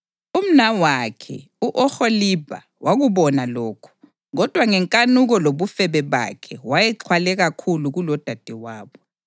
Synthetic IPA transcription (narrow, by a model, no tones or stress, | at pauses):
um̩nawakʰɛ̰ | uʔɔxolib̥ʱa̰ | waɣuβɔnalɔːkʰɔ̥ | ɣɔd̥ʱwaŋɛŋkʼanuɣɔloβufɛβɛβa̰kʰɛwajɛǁʰwalɛɣakʰuluɣulɔd̥ʱad̥ʱiwaːβɔ